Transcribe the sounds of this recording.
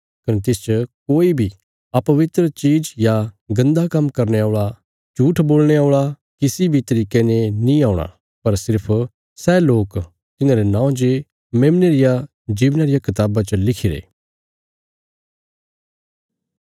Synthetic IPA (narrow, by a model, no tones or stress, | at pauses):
kɐnet̪ɪst͡ʃəkoːibʱi | ɐpɐʋɪt̪ɾət͡ʃiːd͡ʒjaɡɐ̃nd̪akɐmkɐɾneaːɭa | t͡ʃuːʈʰboːlɽ̃eoːɭa | kɪsibʱit̪ɐɾiːkenenĩaːʊɽ̃a̰ | pɐɾsɪɾpʰ | sɛːloːk | t̪ɪnãːɾenãːõd͡ʒe | mẽːmneɾɪja | d͡ʒiːʋnaɾɪjakɪt̪aːbat͡ʃəlɪkʰɪɾḛː